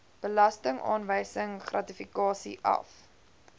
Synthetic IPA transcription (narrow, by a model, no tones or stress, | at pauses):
b̥əlɐstəŋʔɑ̰ːnvəjsəŋχrʔɐtifikɑːsḭʔɐ̰f